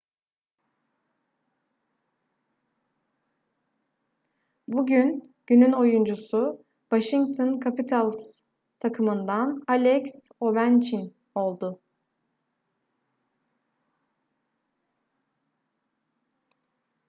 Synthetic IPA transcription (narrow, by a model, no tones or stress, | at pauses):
buɟyn | ɟ̥ynyno̞jund͡ʒusʊ | vaʃiŋɡ̚t̪ʰonkʰapit̪ʰalʲˠs | t̪ʰakʰɯmɯnd̪analʲɛcs | o̞βænt͡ʃʰin | o̞lˠd̪ʊ